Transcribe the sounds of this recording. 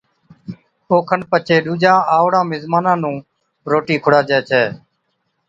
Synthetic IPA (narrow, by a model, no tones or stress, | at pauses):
oːkʰənpət͡ʃʰeːɗuːd͡ʒãːaːʋɽãːmɪzmaːnãːnũː | ɾoːʈiːkʰʊɽaːd͡ʒɛːt͡ʃʰɛː